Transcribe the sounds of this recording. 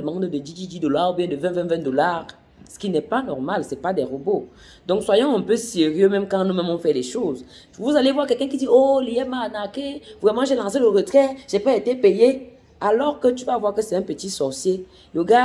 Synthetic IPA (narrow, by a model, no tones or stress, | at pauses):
əmãdəded͡ʒid͡ʒid͡ʒidolaʁubjɛ̃dəvɛ̃vɛ̃vɛ̃dolaʁ | sə̥kinɛpanɔʁmalsɛpadɛʁobo | dɔ̃kswajɔ̃ɛ̃pøseʁjømɛ̃mkãnɔ̃mɛ̃mɔ̃fɛlɛʃoz | vuzalevwakɛkɛ̃k̬idiolijɛmanakevʁɛmãʒelãs̬eləʁətχɛʒ̥epɛetepeje | alɔʁkətyvavwakəsɛɛ̃pətisɔʁsje | ləɡa